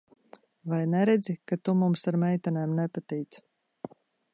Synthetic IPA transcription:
vajnɛɾɛd̪zikat̪umumsaɾmɛjt̪anɛːmnɛpat̪ɛjt̪s

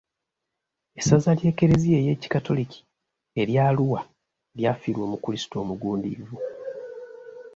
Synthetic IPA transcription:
e̞sazalje̞ːke̞ɾe̞zie̞ːje̞ci̥kato̞likʰi̥ | e̞ɾjaːluwa | ljafiɾwo̞mukulisi̥to̞ːmuɡuːndḭvu

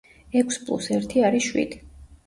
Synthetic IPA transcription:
ɛkʷʰspʰʼlˠṵsɛɾt̪ʰiaɾiʃwḭd̪̥i

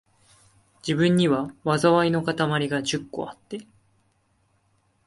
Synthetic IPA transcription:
d͡ʑibɯ̟̃ɲ̟ːiβaβazaβaino̞kat̪amaɾʲiɡad͡ʑɨkːo̞̰at̪ːe̞

